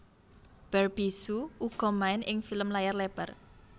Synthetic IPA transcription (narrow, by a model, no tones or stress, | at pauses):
b̥ɛrb̥isuuɡ̥ɔ̤maɪnʔɪŋfiləmlajarlɛb̥ər